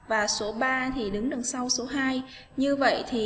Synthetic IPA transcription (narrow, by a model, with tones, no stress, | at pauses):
vaː˨˩so˨˦ɓaː˧t̪ʰi˨˩ɗɨ˨˦ŋɗə˨˩nsa˧wso˨˦ɦaː˧jɲɨ˧və̰˧˨jt̪ʰi˨˩